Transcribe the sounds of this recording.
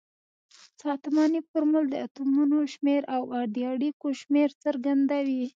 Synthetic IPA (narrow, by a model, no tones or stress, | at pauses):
sɑt̪mɑnipəɾmʊld̪əat̪umunoʃmeɾʔawaɾd̪jɑɽikoʃmeɾt͡səɾɡand̪awi